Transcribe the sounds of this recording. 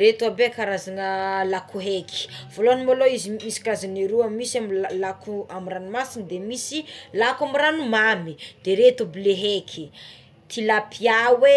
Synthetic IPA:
ɾet̪uabekaɾazanəlakuɦekʰi̥v̥oloanimaloizimisi̥kazaneɾuamisamilakuamiranimasinid̪emisilakamiɾanumamid̪̥eɾet̪ubleɦekʰi | t̪ʰilapʰiawe

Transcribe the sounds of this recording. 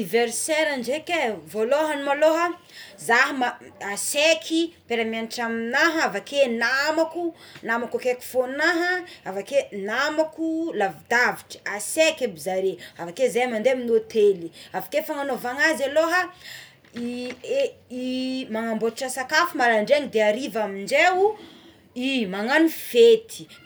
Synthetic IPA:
iveɾseɾaɳɖ͡ʐekʲevoloɦanimaloɦə | zaɦəmaasekʰipeɾamianiʈ͡ʂaminaɦəavakʰenamakunamakukeku̥fonaɦəavakenamakulavid̪aviʈ͡ʂə̥asekabizaɾeavakezajamand̪eaminot̪ʰeliavakefaŋanovaŋazaloɦa | ie | imaŋamboʈ͡ʂasakafumalaɳɖ͡ʐeaŋid̪eaɾivamiɳd͡ʒeu | imaŋanifet̪ʰi̥

